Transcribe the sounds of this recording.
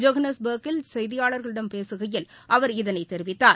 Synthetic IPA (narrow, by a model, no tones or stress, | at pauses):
d͡ʒɐɣɐnɐsbɐːkːɪlsɛjðɪjaːɭɐɾɣɐɭɪɽɐmpeːsɯɣɐjɪl | ʔɐʋɐɾɪðɐnɐɪt̪ːɛɾɪʋɪt̪ːaːɾ